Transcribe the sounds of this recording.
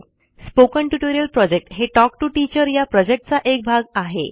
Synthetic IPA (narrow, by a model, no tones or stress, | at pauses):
spokəɳʈuʈoɾijəlpɾɔd͡ʑek̚ʈɦeʈɔk̚ʈuʈit͡ɕəɾjapɾɔd͡ʑek̚ʈ̚t͡saʔek̚bʱaɡaɦḛ